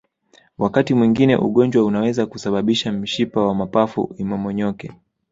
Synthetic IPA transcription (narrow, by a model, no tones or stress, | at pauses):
wakatimwiŋɡinɛ̰ʔṵɠɔɲd͡ʒwaunawɛzakusaɓaɓiʃam̩ʃipawamapafṵimɔmɔɲɔkɛ